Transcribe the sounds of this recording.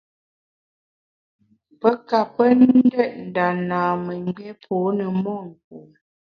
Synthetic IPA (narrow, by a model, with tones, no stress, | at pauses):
pə˦ka˨pə˦nn̩˦dɛ˦ʔ̚n̩˨da˨naː˨mə˨ŋ˦ɡ͡bjɛ˦pʰoː˨˦nə˨mɔ˦˨ŋ̩˨k̚u˨